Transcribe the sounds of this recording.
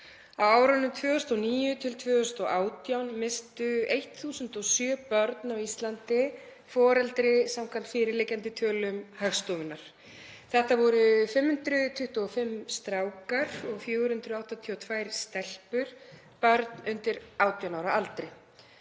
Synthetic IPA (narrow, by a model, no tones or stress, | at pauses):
awaːwɾanʏmt̪ʰvœːʏst̪ɔniːjʏt̪ʰɪlt̪ʰvœːʏst̪ɔʔaːwt̪jawnmɪst̪ʏejht̪θuːsʏnt̪ɔɣsjœːpœɾt̪nawist̪lant̪ɪ | fɔːɾɛlt̪ɾɪsamkʰvam̥t̪fɪːɾɪɾlejcant̪ɪt̪ʰœːlʏmhaxst̪ɔvɪnːaɾ̥ | θɛht̪avɔɾʏfɪmhʏnt̪ɾʏt̪ʰʏht̪uɔfɪmst̪ɾaːwkaɾɔɣfjœːɣʏɾ̥hʏnt̪ɾʏawht̪at̪ʰiɔt̪ʰvaːjɾ̥st̪ɛl̥pʏɾ̥ | pœɾt̪nʏnt̪ɪɾawt̪jawnaːwɾaʔalt̪ɾɪ